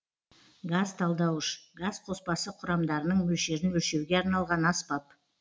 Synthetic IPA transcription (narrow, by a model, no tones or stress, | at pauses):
ɡazt̪ʰɑlˠd̪ɑwəʃɡazqʰo̞spɑsəqʰʊɾɑmd̪ɑɾənəɴmɵlʃe̞ɾɪnwɵlʃe̞wɡʲe̞ɑɾnɑlˠʁɑnɑspɑp̚